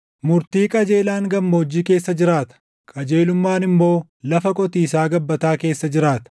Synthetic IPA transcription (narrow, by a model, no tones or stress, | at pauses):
mʊɾt̪iːkʼɐd͡ʒe̞ːlaːŋɡɐmːoːd͡ʒːiːke̞ːsːɐd͡ʒɪɾaːt̪ɐ̥ | kʼɐd͡ʒe̞ːlʊmːaːnɪmːo̞ː | lɐfɐkʼɔt̪iːsaːɡɐbːɐt̪aːke̞ːsːɐd͡ʒɪɾaːt̪ɐ̥